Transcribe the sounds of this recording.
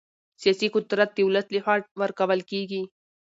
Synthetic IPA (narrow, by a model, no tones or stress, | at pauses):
sjasikʊd̪ɾət̪̚d̪iuləslihaːʈ̚ʋəɾkɐwəlkiɡi